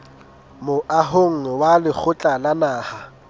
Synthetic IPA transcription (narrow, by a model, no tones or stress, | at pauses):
mʊʔaɦoŋ̩walɪk͡xʰʊt͡ɬʼalanaːha